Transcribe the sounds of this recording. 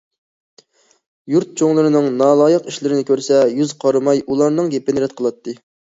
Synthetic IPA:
juɾt̪̚t͡ʃʰoŋlˠɨɾɨnɨŋnɑːlˠɑːjəqiʃlɪɾɪnɪkʲʰøɾsɛjyzqʰɑɾmɑjulˠɑɾnɨŋɡʲepɪnɪɾɛt̪̚qʰəlˠɑt̪ːɨ

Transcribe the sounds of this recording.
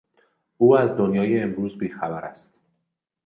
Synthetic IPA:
uːæzd̪o̞njɒːjeːmɾuːzbiːxæbæɾæ̰st̪

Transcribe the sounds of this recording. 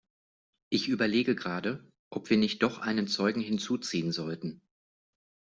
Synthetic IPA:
ʔɪçʔyːbɐleːɡəɡʁaːdə | ʔɔpv̥iːɐnɪçt̚d̥ɔχʔa̰ɪnənt͡sɔʏɡŋ̩hɪnt͡suːt͡siːənzɔltn̩

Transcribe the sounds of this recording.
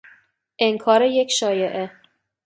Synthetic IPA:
ʔeŋkʰɒːɾeje̞cʰʃɒːjeʔe

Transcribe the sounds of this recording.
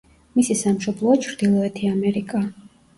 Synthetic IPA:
misisamʃɔblˠɔat͡ʃʰɾd̪̥ilˠɔɛt̪ʰiamɛɾikʼa

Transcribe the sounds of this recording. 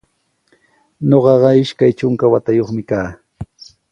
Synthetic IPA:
ɲoɢɑɢɑɪʃkajt͡ʃʊŋkawat̪ajoχmɪkaː

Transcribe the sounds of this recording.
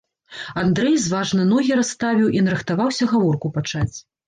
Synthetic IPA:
and̪ɾɛjzvaʐnɐnɔɣʲiɾast̪avʲiwʔinɾɨxt̪avawsʲɐɣavɔrkupat͡ʂat͡sʲ

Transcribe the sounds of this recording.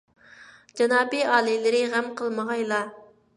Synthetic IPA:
d͡ʒɑnɑːbiɑːlˠɨlɪɾɪʁæmqʰəlˠməʁɑjlˠɑ

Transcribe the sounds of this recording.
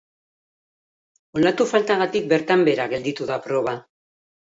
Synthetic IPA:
olat̪ufalt̪aɣat̪ik̚be̞ɾt̪ambe̞ɾaɣe̞ld̪it̪uðapɾo̞β̞a

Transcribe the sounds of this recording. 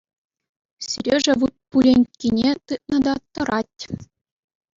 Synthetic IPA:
syɾʲeʐɘ̆ʋut̪̚pulʲenʲkʲinʲet̪ɯt̪̚nɤ̆d̪ɑt̪ɤ̆ɾʔɑtʲ

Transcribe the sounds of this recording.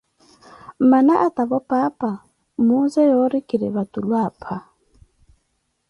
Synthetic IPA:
manaʔat̪ʼaβɔpʼaːpʼa | muzɛjɔɾikʼiɾɪ̰βat̪ʼulwaːpʰa

